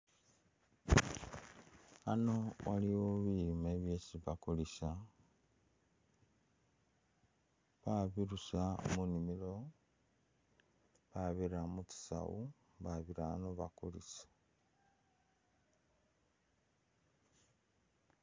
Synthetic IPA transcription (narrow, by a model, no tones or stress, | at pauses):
anowa̰liwoβiimeβjesiβakulisa | βaβiɾusamunimilo̞ | βaβiɾamuti̥sa̰wu | βaβiɾanoβakṵlḭsḁ